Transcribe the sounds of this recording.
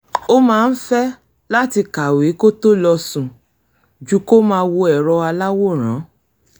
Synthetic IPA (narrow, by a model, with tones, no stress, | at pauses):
o˦mãː˦˧n̩˦fɛ˦ | la˦ti˧ka˨we˨˦ko˦to˦lɔ˧sũ˨ | d͡ʒu˦ko˦mãː˧wo˧ɛ˨ɾɔ˧a˧la˦wo˦˨ɾ̃ã˨˦